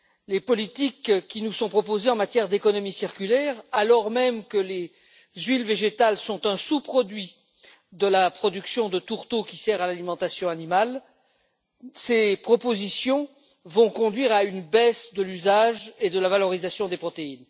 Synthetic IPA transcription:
lepɔlit̪ikkʲːinusɔ̃pχɔpozeɑ̃mat̪jɛʁd̪ekɔnɔmisiʁkʲylɛʁalɔʁmɛmkəle | zɥilveʒet̪alsɔ̃t̪ɛ̃supχɔd̪ɥi | d̪əlapχɔd̪yksjɔ̃d̪ət̪uʁt̪okʲisɛʁalalimɑ̃t̪asjɔ̃animal | sepχɔpozisjɔ̃ | vɔ̃kɔ̃d̪ɥiʁaynbɛsd̪əlyzaʒed̪əlavalɔʁizasjɔ̃d̪epχɔt̪ein

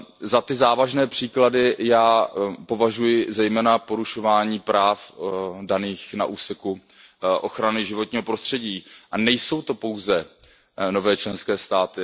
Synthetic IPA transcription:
zat̪ɪzaːvaʒnɛːpr̥iːkladɪjaːpo̞vaʒujɪzɛjmɛːnapo̞ɾuʃo̞vaːɲiːpɾaːfdaniːxna̰ʔuːsɛku | ʔo̞xɾanɪʒɪvo̞t̪ɲiːɦo̞pɾo̞st̪r̝̥ɛɟiːʔanɛjso̞wt̪o̞po̞wzɛ | no̞vɛːt͡ʃlɛnskɛːst̪aːt̪ɪ

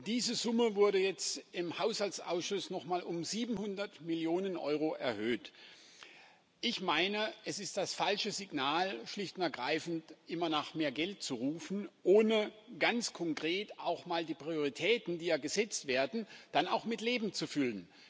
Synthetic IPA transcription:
d̥iːzəzʊməvʊɐɾəjɛt͡stɪmhaʊshaltt͡sʔa̰ʊsʃʊsnɔχmaːlʔʊmziːbm̩hʊndɐtmɪljoːnənʔɔ̰ʏʁoʔɛ̰ɐhøːt | ʔɪçmaɪnəʔɛsɪstd̥asfalʃəzɪɡnaːlʃlɪçtʊnɐɡʁaɪfn̩tʔɪmɐnaːχmeːɐɡɛlt̚t͡suʁuːfn̩ʔoːnəɡ̥ant͡skʰɔŋkʁ̥eːtaʊxmaːldiːpʁ̥ioʁ̞itʰɛːtn̩diːjaːɡəzɛt͡stv̥eːɐdn̩d̥anaʊxmɪtleːbm̩t͡sufʏlən

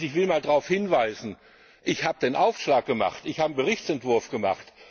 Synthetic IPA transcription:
ɪçv̥ɪlmaːldʁaʊfhɪnvaɪzn̩ | ʔɪçhaːbədeːnʔaʊfʃlaːk̚ɡ̥əma̰χtɪçhaːbəɡəʁɪçt͡sɛntv̥ʊɐfɡ̥əma̰χt

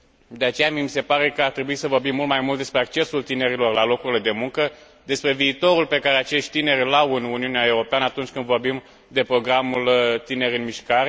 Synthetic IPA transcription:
d̪e̞at͡ʃe̞jamjimise̞paɾe̞kəart̪ɾe̞buisəvo̞rbimːult̪̚majmult̪̚d̪e̞spɾe̞ak̚t͡ʃe̞sult̪ine̞ɾilo̞rlalo̞kuɾile̞d̪e̞muŋkə | d̪e̞spɾe̞viːt̪o̞ɾulpe̞kaɾe̞at͡ʃe̞ʃt̪̚ʲt̪ine̞ɾʲlawɨnuniuneae̞wɾo̞peanəat̪unt͡ʃʲkɨnd̪vo̞rbim | d̪e̞pɾo̞ɡɾamult̪ine̞ɾʲɨnmiʃkaɾe̞

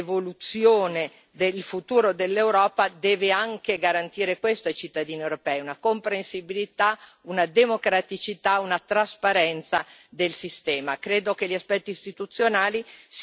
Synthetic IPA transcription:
volut̪sjoːne | d̪elfut̪uːɾod̪elːewɾɔːpad̪ɛːveaŋk̟eɡaɾant̪iːɾekwest̪oajt͡ʃit̪ːad̪iːniewɾopɛːjunakompɾensibilit̪a | unad̪emokɾat̪it͡ʃit̪aunat̪ɾaspaɾɛnt̪sad̪elsist̪ɛːmakɾeːd̪ok̟eʎiaspɛt̪ːiːst̪it̪ut̪sːjonaːlis

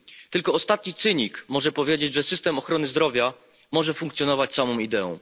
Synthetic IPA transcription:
t̪ɘlkɔɔst̪at̪ɲit̪sɘɲikmɔʐɛpɔvʲjed͡ʑed͡ʑʐɛsɘst̪ɛmɔxɾɔnɘzd̪ɾɔvʲja | mɔʐɛfuŋkt̪sʲjɔnɔvat͡ɕsamɔ̃w̃id̪ɛɔ̰̃w̃

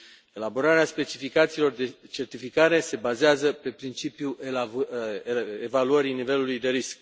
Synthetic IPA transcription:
e̞labo̞ɾaɾeaspe̞t͡ʃifikat̪siːlo̞rd̪e̞t͡ʃe̞rt̪ifikaɾe̞se̞bazeazəpe̞pɾint͡ʃipju | evaluəɾinive̞lulujd̪e̞ɾisk̚

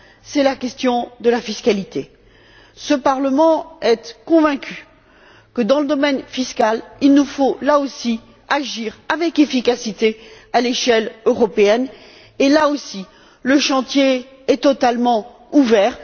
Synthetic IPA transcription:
sɛlakʲɛst̪jɔ̃d̪əlafiskalit̪e | səpaʁləmɑ̃ɛt̪kɔ̃vɛ̃kʲʰy̥ | kəd̪ɑ̃ləd̪ɔmɛnfiskʲalilnufolaosi | aʒiʁavɛkefikasit̪e | aleʃɛløʁɔpeɛn | elaosi | ləʃɑ̃t̪je | ɛt̪ɔt̪almɑ̃ | uvɛːʁ

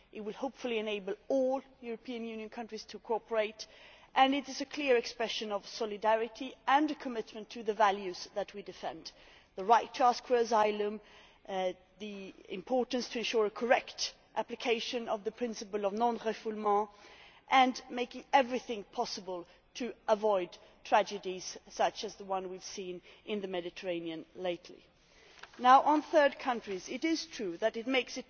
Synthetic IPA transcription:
ʔɨt̚wɨlˠhoʊpfəl̩ˠiɨ̃neɪbəlˠɔlˠjʊɹəpʰĩɨ̃njʉ̃njɨ̃nkʰʌ̃ntɹ̥iz̥tʰɨkʰɔɹpə˞eɪtʔɨ̃nɨɾɨzɨkʰl̥ɪɹɨkspɹɛʃɨ̃nʌv̥sɔlˠɨdæɹɨɾʰiə̃nɨkʰəmɪt̚mɨ̃ntʰɨðɨvælˠjʉzðɨt̚widɨfɛ̃nd | ðəɹaɪtʰːəæskʰwɛzaɪlə̃m | ðiɪ̰̃mpʰɔɹʔn̩stʰɨɨ̃nʃʊɹəkʰə˞ɛkt | ʔæplɨkʰeɪʃɨ̃nʌvðɨpʰɹ̥ɪ̃nsɨpəlˠʌvnɑ̃nʁɛfulmɑ̃ʔɨ̃nmeɪkɪ̃ŋɛvɹiθɪ̃ŋpʰɑsəbəlˠ | tʰɨəvɔɪd̚tʰɹ̥æd͡ʒɨdiz̥sʌt͡ʃɨzðəwʌ̃nwiv̥sĩnʔɪ̃nðɨmɛɾɨtʰə˞ẽɪ̃niɨ̃nleɪtʰˡlḭ | naʊʔə̃nθɜ˞d̚kʰʌ̃nt͡ʃɹ̥izɪɾɪz̥tʰɹ̥ʉðɨɾɨt̚meɪksɨt̚

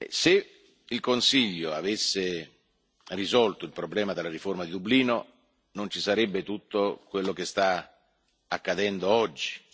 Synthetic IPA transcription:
ɛ̰se | ilkonsiʎːoavesːɪ | rizɔlt̪oilpɾoblɛːmad̪ɪlːaɾiformad̪id̪ubliːno | nont͡ʃisaɾɛbːet̪ut̪ːokwelːok̟est̪a | akːad̪ɛnd̪oɔd͡ʒːi̥

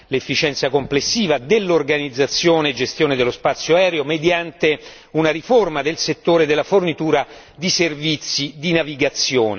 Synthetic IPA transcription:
lefːit͡ʃɛnt̪sakomplesːiːvad̪elːorɡanid̪zːat̪sːjoːneːd͡ʒest̪joːned̪elːospat̪sːjoaɛːɾeomed̪jant̪e | unaɾiformad̪elset̪ːoːɾed̪elːafornit̪uːɾa | d̪iservit̪sːid̪inaviɡat̪sːjoːne

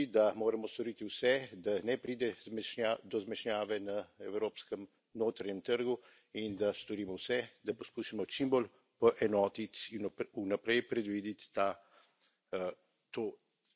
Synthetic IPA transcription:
id̪amoːɾɐmɔst̪ɔɾiːt̪iwsɛd̪anɛpɾiːd̪ɛzmɛʃnad̪ɔzmɛʃnjaːʋɛnaɛwɾoːpskəm | noːt̪ɾaɲɛmt̪əɾɡu | ind̪ast̪ɔɾiːmɔwsɛd̪apɔskuʃimɔt͡ʃimbol | pɔʔɛnɔːt̪it̪nunapɾɛjpɾɛd̪ʋiːd̪it̪ːa | t̪oː

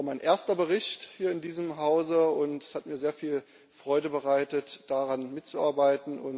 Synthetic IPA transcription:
maɪnʔeːɐstɐbəʁɪçthiːɐɪndiːzəmɦaʊzəʊntshatmiːɐzeːɐfiːl | fʁ̥ɔʏdəbəʁaɪtətd̥aʁanmɪtt͡suaɐbaɪtn̩ʔʊ̰n

